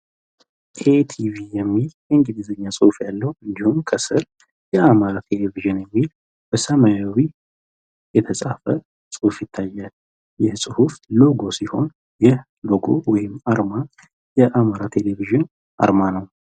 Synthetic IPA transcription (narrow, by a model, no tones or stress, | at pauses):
ʔʰet̪ʰivijɛmːiljɛɨŋɡɨd̪izəɲːasʼɨhufjalːəhuɨnd̪ihumkʰəsɨɾ | jɛamaɾat̪ʰe̞leviʒɨnjɛmːil | b̥əsəmajawi | jɛt̪ʰəsʼafə | sʼɨhufjɪt̪ʰːajːal | jɛsʼɨhuflo̞ɡo̞siho̞n | jɛh | lo̞ɡo̞̰wɔjɪmːaɾma | jɛʔamaɾat̪ʰe̞leviʒɨn | ʔa̰ɾmanəw